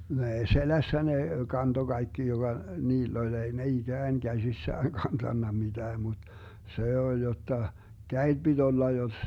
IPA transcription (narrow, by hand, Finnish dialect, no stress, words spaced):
no ei selæsːæ ne kɑnto ɡ̊ɑikːi joɡ̊ɑ niːlː olʲ ei ne iɡ̊æːn ɡ̊æsisːæːn kɑntɑnːɑ mitæː mut se olʲ jotːɑ kæed̥ b̥id̥ olːɑ josːs